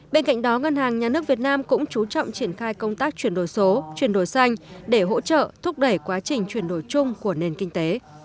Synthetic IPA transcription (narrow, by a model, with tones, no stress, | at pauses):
ɓe˧nka̰˧˨jŋ̟ɗɔ˨˦ŋə˧nhaː˨˩ŋɲaː˨˩nɨ˦˥ək̚vət̚naː˧mkʊ̰˧˥ŋ͡mt͡ɕu˨˦t͡ɕɔ̰˧˨wŋ͡mt͡ɕi˧˩ənxaː˧jkə˧wŋ͡mt̪aː˦˥k̚t͡ɕwi˧˩ənɗo˧˩jso˨˦t͡ɕwi˧˩ənɗo˧˩jsa˧jŋ̟ɗe˧˩ɦo̰˧˥t͡ɕə̰ː˧˨t̪ʰʊ˦˥k͡p̚ɗə˧˩jkwaː˨˦t͡ɕï˨˩ŋ̟t͡ɕwi˨˩ənɗo˧˩jt͡ɕʊ˧ŋ͡mku˧˩əne˨˩nkï˧ŋ̟t̪e˨˦